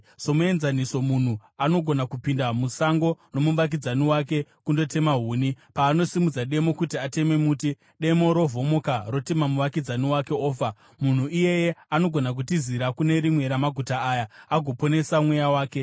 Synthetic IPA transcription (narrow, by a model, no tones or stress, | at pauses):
so̞mue̞nzaniso̞mun̤uano̞ɡʱo̞nakupindamusaŋɡo̞no̞mumʋak̬id͡zaniwake̞kundo̞te̞maɦuːnipaːno̞simud͡zaɗe̞mo̞kutiate̞me̞muːti | ɗe̞mo̞ɾo̞vo̞mo̞karo̞te̞mamuʋakid͡zaniwake̞oːfa | mun̤uʔije̞je̞ano̞ɡʱo̞nak̬utiziɾakune̞ɾimwe̞ɾamaɡʱutaaːjaaɡʱo̞po̞ne̞samwejawaːke̞